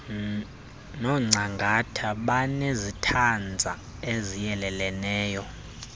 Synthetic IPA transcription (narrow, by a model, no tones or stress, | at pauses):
nɔŋ͡ǀʱaŋɡʱatʰaɓanezitʰand͡zʱa | ezijɛlɛlɛnɛːjɔ